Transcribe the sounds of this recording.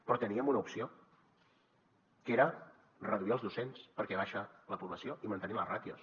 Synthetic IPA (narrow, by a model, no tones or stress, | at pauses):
pɾɔt̪əniəmunəupsio | keɾə | rəðuiəlˠzðusenspəɾkɛβaʃələpuβləsioimənt̪əniələrat̪jo̰s